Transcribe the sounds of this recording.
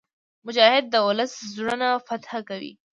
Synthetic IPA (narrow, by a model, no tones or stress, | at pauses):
mʊd͡ʒɑhɪd̪̚ːəʊləszuɽənafat̪hakawḭ